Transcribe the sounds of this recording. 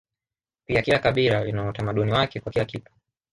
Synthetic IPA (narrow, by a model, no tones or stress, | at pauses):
piakilakaɓilalinautamaɗuniwakɛkwakilakitu̥